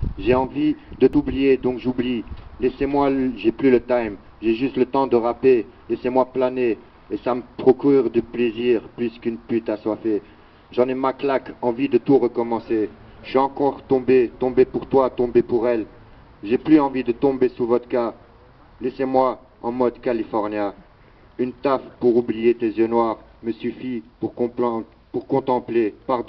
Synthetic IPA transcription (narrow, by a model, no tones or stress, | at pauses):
ʒeɑ̃vid̪ət̪ublijed̪ɔ̃kʒublilɛsemwaʒɛplylət̪ajm | ʒeʒyst̪lət̪ɑ̃d̪əʁapelɛsemwaplane | esaməpχɔkʲyʁd̪əpleziʁplyskynpyt̪yaswafɛ | ʒɑ̃nɛmaklakɑ̃vid̪ət̪uʁəkɔmɑ̃se | ʃɛɑ̃kɔʁt̪ɔ̃bet̪ɔ̃bepuʁt̪wat̪ɔ̃bepuʁɛl | ʒeplyɑ̃vid̪ət̪ɔ̃besuvɔt̪ka | lɛsemwa | ɑ̃mɔd̪kalifɔʁnja | ynt̪afpuʁublijet̪ezjønwaʁməsyfipuʁ | puʁkɔ̃t̪ɑ̃plepaʁd̪ɔ̃